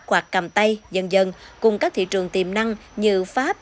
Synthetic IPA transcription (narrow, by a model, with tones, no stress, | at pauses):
t̚kwaː˨˩k̚ka˨˩mt̪a˧jzə˧nzə˧nkʊ˨˩ŋ͡mkaː˦˥kt̪ḭ˧˨t͡ɕɨ˨˩əŋt̪i˨˩mna˧ŋɲɨ̰˧˨faː˦˥p̚